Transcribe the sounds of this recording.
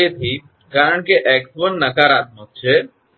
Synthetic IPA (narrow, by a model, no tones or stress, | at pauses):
et̪ʰi | kaːɾəɳ̃keʔeːksʋənːɐkaːɾaːt̪̚mot̪̚t͡ʃʰe